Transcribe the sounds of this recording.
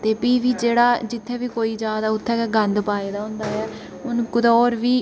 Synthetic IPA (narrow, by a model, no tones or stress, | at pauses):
t̪eːpiːʋiːd͡ʒeːɽaːd͡ʒɪt̪ʰːeːbiːkoːiːd͡ʒjaːd̪aːʊt̪ʰːɛːkɛːɡə̃nd̪paːeːd̪aːɦʊ̃nd̪aːɦɛː | ʊnkʊd̪ɔːɾʋiː